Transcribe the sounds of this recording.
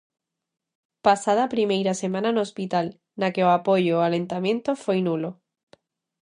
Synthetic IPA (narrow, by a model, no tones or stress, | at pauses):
pasað̞apɾimejɾasemãnanospit̪al | nakeoapojoalẽnt̪amjẽnt̪ofojnulo